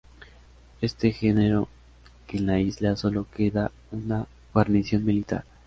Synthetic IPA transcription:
e̞st̪exe̞ne̞ɾo̞ | kenlaizlaso̞lo̞ke̞ða | una | ɣwaɾnisjo̞nmilit̪a̰ɾ

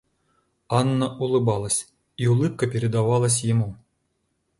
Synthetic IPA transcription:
ɑnːɐʔulˠɨbɑlˠəsʲ | iulˠɨp̚kəpʲeɾʲed̪aʋɑlˠəs̬ʲjimu

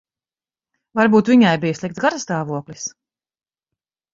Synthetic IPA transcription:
vaɾbuːt̪viɲajbijslˠik̚t̪sɡaɾst̪aːvuɔklis

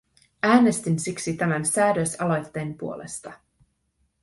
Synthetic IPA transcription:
æːne̞st̪insiksit̪æmænsæːdøsɑlo̞jt̪ːe̞ːmpuo̞le̞̰st̪ɑ

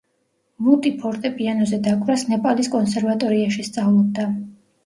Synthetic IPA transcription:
mut̪ʼipʰɔɾt̪ʼɛpʼianɔzɛd̪akʼvɾasnɛpʼaliskʼɔnsɛɾvat̪ʼɔɾiaʃist̪sʼavlɔb̚d̪a

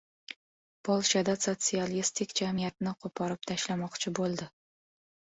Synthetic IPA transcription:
pʰɒlˠʃad̪asot̪sialist̪ʰɪkʲd͡ʒamijat̪̚nɪqʰopʰɒɾɪp̚t̪ʰaʃlamɒqt͡ʃʰɪbolˠd̪ɪ

